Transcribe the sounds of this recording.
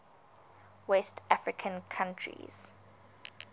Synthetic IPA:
wɛstafɹɪkʰə̃nkʰãntʰɹḭz̥

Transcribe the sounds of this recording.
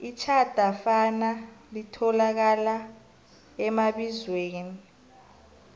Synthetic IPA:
it͡ʃʰad̥ʱafanalitʰɔlak̬ala | ɛmaɓizweːni

